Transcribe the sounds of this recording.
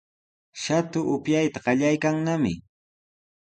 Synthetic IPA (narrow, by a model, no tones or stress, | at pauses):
ʃat̪ʊʔʊpjajt̪aɢɑʎajkaŋnamɪ̰